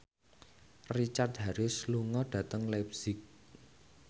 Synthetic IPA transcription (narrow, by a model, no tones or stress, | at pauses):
rit͡ʃart̪̚ɦaɾɪsluŋɔɖ̥ä̤t̪əŋlɛp̚sɪk̚